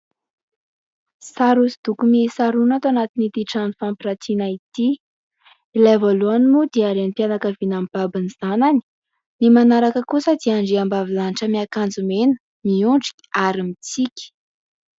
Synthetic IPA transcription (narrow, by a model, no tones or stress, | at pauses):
saɾusid̪̥ukumisaɾunat̪anat̪init̪iʈ͡ʂanifampiɾat̪inait̪i | ilajvoluanimud̪iaɾent̪ianakəvinamb̥abiniz̥anani̥ | nimanaɾakəkusəd̪iaɳɖ͡ʐiambavilaniʈ͡ʂəmiakand͡zumenə̥ | miuɳɖ͡ʐi̥kʲi̥aɾimit͡sikʲi̥